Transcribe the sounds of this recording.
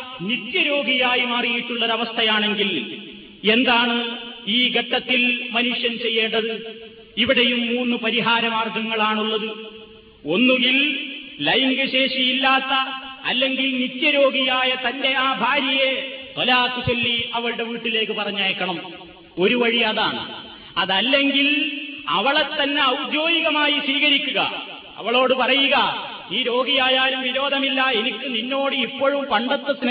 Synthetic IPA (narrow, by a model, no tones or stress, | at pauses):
nit̪jɐɾo̞ːɡijaːjimaːrijiʈːuɭːɐðɐʋɐst̪ʰɐjaːɳe̞ŋɡil | e̞nd̪aːɳɨiːɡʱɐʈːɐt̪ːilmɐnuʂjɐnt͡ɕe̞jːe̞ːɳɖɐðɨ | iʋiɽejumːuːnːɨpɐɾiɦaːɾɐmaːrɡɐŋːɐɭaːɳuɭːɐðɨ | o̞nːuɡillɐjŋɡɐɕe̞ːʂijilːaːt̪ːɐɐ̰lːe̞ŋɡilnit̪ːjɐɾo̞ːɡijaːjɐt̪ɐnde̞aːbʱaːɾjɐje̞t̪olaːk̪ːut͡ɕelːiɐʋɐɭɨɽe̞ʋiːʈːile̞ːkːɨpɐrɐɲːaːjkːɐɳɐm | o̞ɾuʋɐɻiɐðaːɳɨ̰ | ɐðɐlːe̞ŋɡilɐ̰ʋɐɭet̪ːɐnːe̞ɐwd͡ʑo̞ːjiɣɐmaːjiswiːɣɐɾikʲːuɣɐ̰ | ɐ̰ʋɐɭo̞ːɽɨpɐrɐjuɣɐ | iːɾo̞ːɡijaːjaːlumʋiɾo̞ːd̪ʱɐmilːɐe̞nikʲːuninːo̞ːɽɨipːoːɻumpɐɳɖɐt̪ːɐt̪ːin